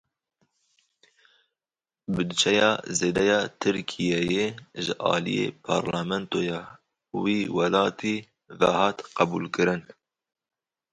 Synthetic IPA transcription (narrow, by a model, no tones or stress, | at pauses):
bɨd̪ɨt͡ʃʰɛjɑːzeːd̪ɛjɑːt̪ʰɨɾkʰijɛjeʒɨʔɑ̰ːlḭjḛpʰɑ̰ːɾlɑːmɛnt̪ojɑː | wiːwɛlɑːt̪ʰiː | vɛhɑːt̪qæbuːlkɨɾɨn